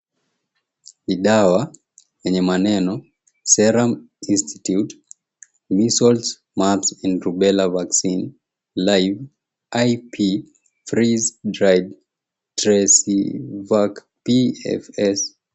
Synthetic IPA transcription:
iɗawa | jɛɲɛmanɛnɔ | sɛɾam | ĩnstʰitjut | misɔlts | matsɛ̃ndɹubɛlavaksin | lajv | ajpʰi | fɹizdɹajd | tɾɛsivak | piɛ̰fɛs

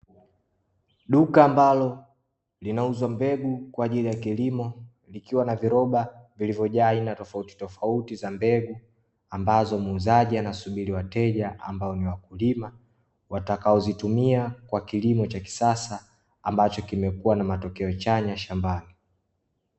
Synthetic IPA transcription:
ɗukaːmbalɔ | linauzwambɛɡukwaːʄilijakilimɔ | likiwanaviɾɔɓavilivjɔʄaːinatɔfauti̥tɔfautizambɛɡu | ambazɔmːzaʄianasuɓiɾiwatɛʄaa̰mbaɔniwakulima | watakaɔzitumiakwakilimɔt͡ʃaki̥sasaː | mbat͡ʃɔkimɛkuwanamatɔkɛɔt͡ʃaɲaʃambani

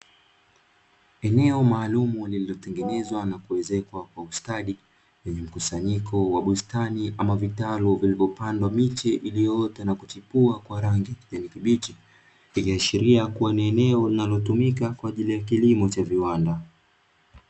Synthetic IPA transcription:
ɛnɛɔmaːlumulililɔtɛŋɡɛnɛzwanakuwɛzɛkwakwaustaɗi | wɛɲɛm̩kusaɲikʰɔwaɓustaniʔamavitalɔvilivɔpandwamit͡ʃɛʔilijɔtɛnakutipuakwaɾaŋɡiʄanikiɓit͡ʃi | ikiaʃiɾiakuwaniɛnɛɔlinalɔtumikakwaːʄilijakilimɔt͡ʃaviwanda

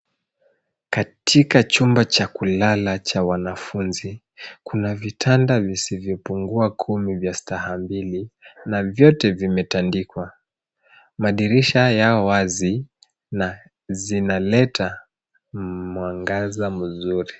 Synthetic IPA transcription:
katʰikat͡ʃumbat͡ʃakulalat͡ʃawanafunzi | kunavitʰandavisivjɔpuŋɡuakʰumivjastahambilinavjɔtɛvimɛtandikwa | maɗiɾiʃajaɔwazi | na | zinalɛtʰa | mwaŋɡazamuzuɾi

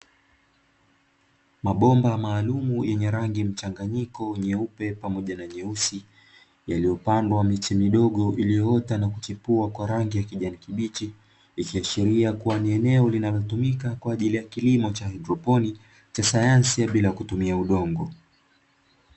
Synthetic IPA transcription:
maɓɔmbamaːlumujʔɛɲɛɾaŋɡim̩t͡ʃaŋɡaɲikɔɲɛupɛpamɔʄanaɲɛusi | jalijɔpandwamit͡ʃimiɗɔɠɔʔilijɔɔtanakut͡ʃipuakwaɾaŋɡijakiʄanikiɓit͡ʃi | ikiaʃiɾiakuwaniɛnɛɔlinalɔtumikakwaːʄilijakilimɔt͡ʃahɛdɾɔpɔni | t͡ʃasajansiaɓilajakutumiauɗɔŋɡɔ

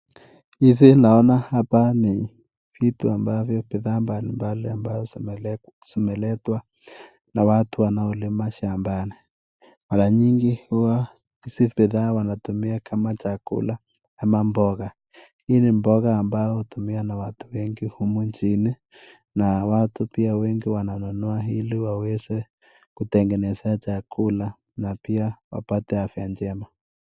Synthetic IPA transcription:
is̬inaɔnahapani | fituambavjɔpɛðambalimbaliambaɔ | sɔmɛlɛtwa | nawatʰuwanaɔlɪmaʃambanɛ | maɾaɲiŋɡihwa | isipɛðawanatumiakʰamat͡ʃakṵla | amambɔɣa | hinembɔɣaːmbaɔotumianawatu̥wɛŋɡihumuɲt͡ʃini | nawatupiawɛŋɡiwananɔnɔaɦiliwawɛsɛ | kutɛŋɡɛnɛsɛat͡ʃakʰula | napiawa̰patɛafjaɲd͡ʒɛma

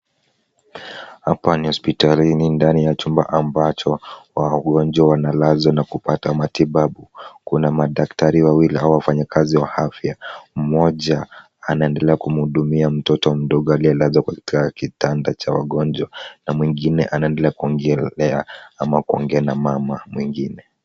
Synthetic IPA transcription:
hapanihɔspitalinindanijat͡ʃumba̰ʔambat͡ʃɔwaɡɔnd͡ʒwawanalazɔnakupatamatiɓaɓukunamaɗaktaɾiwawiliauwafaɲakʰaziwahafjam̩mɔʄa | anaɛndɛlɛakum̩huɗumiam̩tɔtɔm̩ɗɔɠalialazakatikakitandat͡ʃawa̰ɠɔnd͡ʒwanamwiŋɡinɛ̰ʔanaɛndɛlɛakuɔŋɡɛlɛaamakuɔ̰ŋɡɛanamamamwiŋɡinɛ

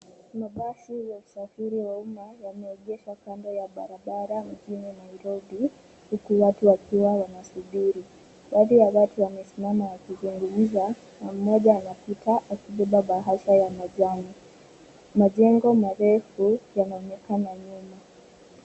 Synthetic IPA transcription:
maɓasijausafiɾiwaumajamɛːʄɛʃwakandɔjaɓaɾaɓaɾam̩ʄininaiɾɔbi | hukuwatuwakiwawanasuɓiɾi | ɓaːðijawatuwamɛsimamajakizuŋɡumm̩za | nam̩ːɔʄaːnapitaʔakiɓɛɓaɓaɦaʃajamaʄaŋɔ | maʄɛŋɡɔmaɾɛfujanaɔnɛkanaɲuma

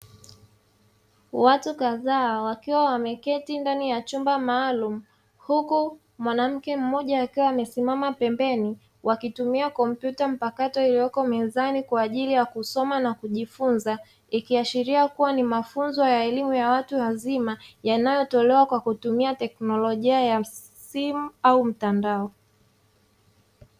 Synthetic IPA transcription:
watukaðaːwakiwawamɛkɛtindanijat͡ʃumbamaːlum̩ | huku | mwanam̩kɛm̩mɔʄaːkiwaːmɛsimamapɛmbɛni | wʔakitumiakɔm̩pjutam̩pakatɔilijɔkɔmɛzanikwaːʄilijakusɔmanakuʄifunza | ikiaʃiɾiakuwanimafunzɔjaɛlimujawatuwazimajanajɔtɔlɛwakwakutumiatɛknɔlɔʄiaja | simuaum̩tandaɔ

